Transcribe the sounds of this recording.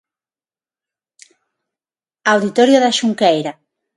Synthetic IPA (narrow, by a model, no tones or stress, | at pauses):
awðit̪oɾjoðaʃuŋkejɾa